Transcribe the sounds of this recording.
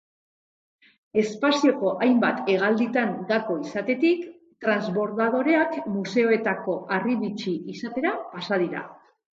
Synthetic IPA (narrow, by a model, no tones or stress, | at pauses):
e̞spasio̞ko̞ʔajmbat̪e̞ɣ̞ald̪it̪anɡ̪ako̞isat̪e̞t̪ik | t̪ɾanzβo̞ɾðað̞o̞ɾe̞akmuse̞o̞e̞t̪ako̞ʔariβit͡ʃiʔisat̪e̞ɾapasað̞iɾa̰